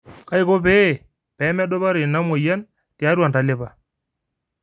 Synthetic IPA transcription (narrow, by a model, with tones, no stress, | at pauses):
ka˦ɪ˦ko˦pe˦˨ | pɛ˨˦mɛ˦ɗo˦ba˦ɾe˨na˦mo˨ja˦n | tɪ˨a˦ɾwa˨nta˨lɪ˦pa˨